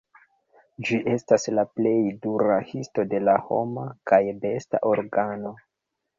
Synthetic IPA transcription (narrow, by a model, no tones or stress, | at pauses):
d͡ʒiʔe̞staslaple̞jduɾahisto̞de̞laho̞̰makajbe̞sta̰ʔo̞ɾɡano̞